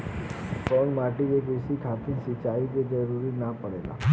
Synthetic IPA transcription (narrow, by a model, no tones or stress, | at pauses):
kɔnmaʈiekesikʰat̪ĩsɪt͡ʃaik̪ed͡ʒəɾuɾinəpəɽela̰